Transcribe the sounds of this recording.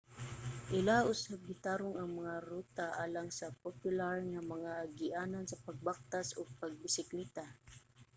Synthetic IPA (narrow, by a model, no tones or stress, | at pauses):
ʔɪlaʔʊsabɪt̪aːɾʊŋɐŋmɐŋaɾuːt̪aʔaːlaŋsɐpopjʊlaɹŋamɐŋaɡɪʔaːnansɐpɐɡ̚bak̚t̪asoɡ̚pɐɡ̚bɪsɪklit̪a